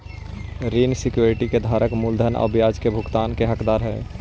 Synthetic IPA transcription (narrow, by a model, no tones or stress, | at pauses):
ɾiːnsɪkjuːɾɪʈiked̪ʱaːɾəkmuld̪ʱənə̰bjaːd͡ʒkebʱʊɡt̪aːnkeɦəkd̪aːɾɦɛː